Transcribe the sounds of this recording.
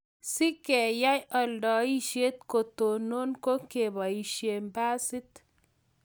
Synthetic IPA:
si˦ke˨ja˦jɐ˨lɖɔ˨i˦ʃe˦t̪ko˨t̪o˨no˦nko˦ke˨ba˨iʃe˨mba˦si˦t̪

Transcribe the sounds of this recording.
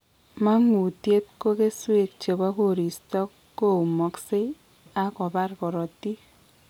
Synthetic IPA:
ma˦ŋu˨tje˦t̚ko˦ke˦swe˦˨k̚t͡ʃe˨ba˦ko˦˨ɾi˨stɔ˦kːo˦˨u˨mɔ˨kse˦ | a˦kɔ˨ba˦rkɔ˨ɾɔ˨ti˦

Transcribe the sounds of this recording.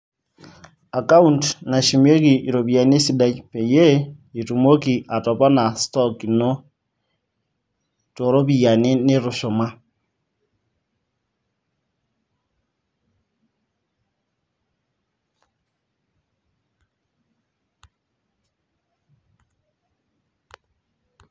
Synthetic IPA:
a˨ka˦u˦ntna˨ʃi˨me˦ki˨i˨ɾo˨βja˨ne˦si˦da˦˨i˦pe˨je˦i˨tu˨mo˦ki˨ʔa˨tɔ˨pa˦na˨stɔ˦kino˦ | to˨ɾo˦βia˨ne˦ne˦ɾu˨ʃo˨ma˦

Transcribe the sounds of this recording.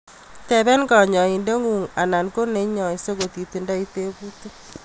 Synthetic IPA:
tɛ˨βɛ˦nɡɔ˨ɲɔ˨i˨nde˦ŋu˨ŋa˨na˨nko˦ne˨˦ɲɔ˨i˨˦so˦ɣo˨t̪i˨t̪i˨nda˦i˦te˦bu˦tu˦

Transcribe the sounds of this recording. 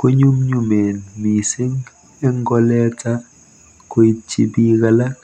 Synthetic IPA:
ko˦ɲu˦mɲu˨me˨nmi˨si˦ŋ | ɛ˦ŋɡɔ˦lɛ˦ta˦ | ko˦i˦t͡ʃḭ˦bi˦ɣa˦la˦k

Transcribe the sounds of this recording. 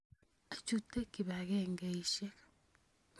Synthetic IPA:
a˨t͡ʃu˦te˦ki˨βa˨ɣɛ˦ŋɡe˨i˨ʃe˦k

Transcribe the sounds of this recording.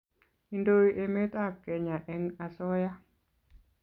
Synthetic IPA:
i˨ndo˦iʔe˨me˦ta˦p̚kɛ˨ɲa˨ʔɛ˦ŋa˨sɔ˦ja˦

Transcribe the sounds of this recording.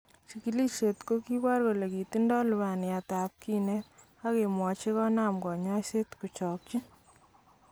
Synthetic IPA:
t͡ʃi˨ki˨li˦t͡ʃe˨tko˦ki˦ba˦rko˨le˨ki˨ti˦ndɔ˦lʊβa˨nɪ˨ja˨ta˨p̚ki˦ne˦t | a˦ke˨mwɔ˨t͡ʃe˦kɔ˦na˦mɡɔ˨ɲɔ˦se˦tku˨t͡ʃɔ˨k̚t͡ʃi˦

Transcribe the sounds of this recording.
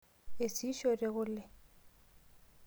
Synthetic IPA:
e˨si˦ʃorɪ˨ɣʊ˦lɪ˦

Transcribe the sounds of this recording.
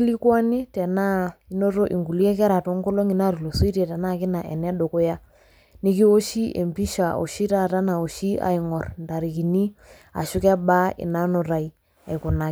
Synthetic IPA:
i˦li˦kwa˦nɪ˦tɛ˨na˦i˦no˦to˦ʔi˨ŋɡu˨li˦ɛ˦k̬ɛ˦ɾa˨to˨˦ŋɡɔ˦lo˦ŋi˨na˦˨ɾu˨lo˨so˦i˦tɛ˨tɛ˨na˦˨kɪ˦na˨ʔɛ˨nɛ˦ɗo˨ko˦ja˦ | ni˦k̬i˦o˦ʃi˦ʔḛ˨mbi˦ʃa˨o̰˨ʃi˦ta˦˨ta˦na˨o˨ʃi˦a̰˨i˨ŋɔ˨rnda˨ɾi˨ki˨ni˦ | a̰˨ʃʊ˦kɛ˦ba˦ɪ̰˨na˦no˨ɾa˨i˨ | a˨i˨kʊ˨na˨

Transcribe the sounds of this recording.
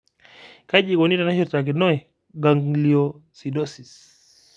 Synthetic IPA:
ka˦ʄi˨kɔ˨ni˦ɾa˨na˦ʃɔ˦ta˨k̬i˨nɔ˦ɛ˨ | ɡa˨ŋli˨ɔ˨si˨dɔ˦si˨s

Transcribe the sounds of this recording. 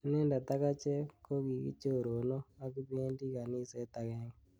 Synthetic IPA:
nɛ˦nda˨t̪a˦ɣa˦t͡ʃe˦ko˦ki˨kḭ˦t͡ʃo˦˨ɾo˨no˦a˦ki˦βe˦ndi˦ka˨ni˦sɛ˦t̪a˨ɣe˦ŋ

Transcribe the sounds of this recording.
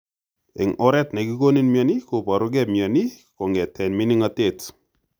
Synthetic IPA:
ɪ˨ŋɔ˦ɾɛ˦tne˨ki˦ko˦ni˦nmja˨ni˦kopa˨ɾʊ˦ɡɛ˦mja˨ni˦kɔ˨ŋɡɛ˨tɛ˨nmi˦ni˦ŋatet

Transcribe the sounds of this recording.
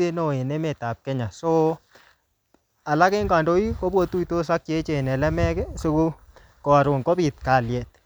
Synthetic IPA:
e˦no˨e˨ne˦me˨ta˨p̚kɛ˦ɲa˨so˦ | a˨la˦ke˦ŋɡa˨ndo˦i˦ko˦bo˦tu˦i˨to˦sa˦k̚t͡ʃe˦t͡ʃe˨nɛ˨lɛ˦mɛ˦kɛ˦su˦ku˦ | ko˨a˨ɾʊ˨ŋko˦bi˨t̚ka˨ljɛ˨t̚

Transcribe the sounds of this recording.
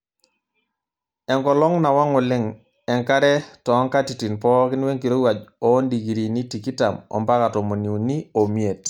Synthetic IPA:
ɛ˨ŋkɔ˨lɔ˦ŋna˨wa˦ŋɔ˨lɪ˦ŋ | ɛ˨ŋka˦ɾɛ˦tɔ˨˦ŋka˦ti˨ti˨npɔ˦kɪ˦nwe˦ŋki˨ɾo˦wa˨d͡ʒɔ˨˦ndi˨ɡi˨ɾi˨ni˦ti˨ki˦ta˨mɔ̰˨mba˦ka˨tɔ˨mo˨ni˨u˨ni˦o˨mie˨t

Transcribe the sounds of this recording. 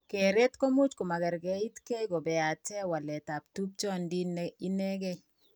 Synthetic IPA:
ke˨ɾe˦t̪ko˦mu˦t͡ʃko˨ma˨ɡɛ˨ɾɡɛ˨˦i˦t̪ke˦ɡo˨bɛ˨a˨tɛ˦wa˨lɛ˨ta˨ptu˦p̚t͡ʃɔ˦ndi˦nɛi˦nɛ˦ɡɛ˦

